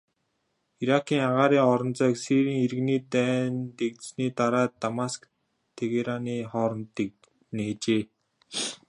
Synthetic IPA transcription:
iɾakʰiːŋaʁaːɾiːŋɔɾɞ̆nt͡sœːksiɾiːŋeɾɣniːt̪æːnt̪ekt̪sniːt̪aɾaːt̪ːamask | t̪ʰeɣeɾaniːχɔːɾɞ̆nt̪ek̚ | neːt͡ɕeː

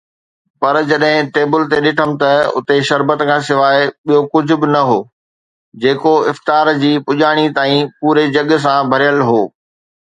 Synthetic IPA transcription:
pɐɾd͡ʑɐɗɦɪ̃ʈeːbɪlt̪eɗɪʈʰəmɪ̆t̪ɐʊ̰t̪eʃɐɾbət̪kʰãːsɪʋaːɪɓijokʊd͡ʑʱʊ̆bɪnɐɦoː | d͡ʑeːkoɪft̪aːɾd͡ʑiːpʊʄaːɽ̃it̪aːĩpuːɾed͡ʑɐɠs̬ãbʱɐɾijəlɦoː

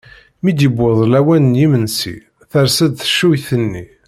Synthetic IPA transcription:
mid̪jəbːʊðˤlæwænənjimənsḭ | θəɾsæd̪θə̥ʃːujθənːi

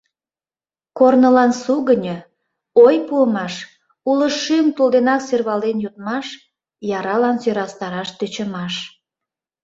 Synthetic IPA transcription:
kornəlɑnsuɣənʲə | ojpuəmɑʃ | uləʃymt̪ulˠd̪enɑkserβɑlenjut̪̚mɑʃ | jɑɾɑlɑnsøɾɑst̪ɑɾɑʃt̪yt͡ɕə̆mɑʃ

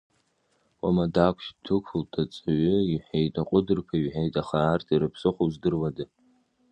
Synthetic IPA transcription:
wʼa̰madakʷʰʃtʰɨkʷʰʊltʰʼat͡sʼaɥʏiħejtʼaqʷʼʊdɨrpʷʰaɥħejtʼaχaːrtʰiɾɨpʰsɨχʷozdɨrwadɨ

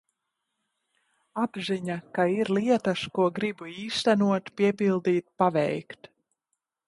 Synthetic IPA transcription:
abziɲakaiɾlˠiɛt̪askuɔɡɾibuiːst̪ænuɔt̪piɛpilˠd̪iːt̪̚pavɛjkt̪

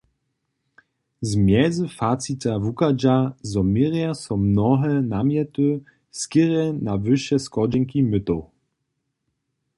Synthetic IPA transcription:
zmjɛzɨfat̪sit̪avukad͡ʑazɔmiʁjasɔmnɔɦɛnamjɛt̪u | skiʁɛnavɘɕɛskɔd͡ʑɛŋkimɘt̪ɔw

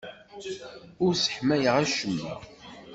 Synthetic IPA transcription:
ʊɾsə̥ħmæjəʁæʃəmːæ̰

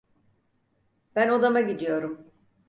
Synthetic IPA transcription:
b̥æno̞d̪amaɟid̪ijo̞ɾum

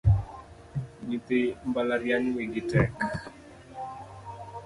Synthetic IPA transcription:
ɡit̪ɪmbalaɾjaɲweɡɪtɛk

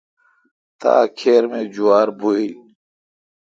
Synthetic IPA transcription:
t̪a̰ːkʰeːɾmẽːd͡ʑuwaːɾbʱuil

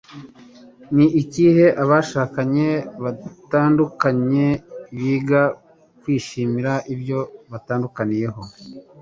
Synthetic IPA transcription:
niʔiciːhe̞ʔaβaʃaːkaɲe̞βataːndukaɲe̞βiːɡa | kwiːʃiːmiɾaʔibjo̞βataːndukanije̞ɦo̞

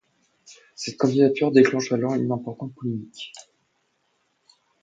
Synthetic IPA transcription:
sɛt̪kɑ̃d̪id̪at̪yʁd̪eklɑ̃ʃalɑ̃ynɛ̃pɔʁt̪ɑ̃t̪̚pɔlemikʲ

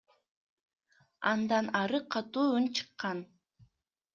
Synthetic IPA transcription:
ɑnd̪ɑnɑɾɯqʰɑt̪uːunt͡ʃʰɯ̥qːɑn

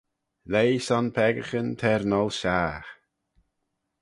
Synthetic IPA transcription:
lejsɔnpʰɛɡəxənt̪ʰɛɾnɔlʃaːx

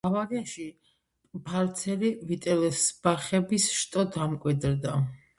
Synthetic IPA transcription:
avaɡɛaʃi | pʰaɾt̪sʰɛlivit̪ʼɛlɛsb̥aχɛbisʃt̪ʼɔd̪amkʼwid̪ɾd̪a

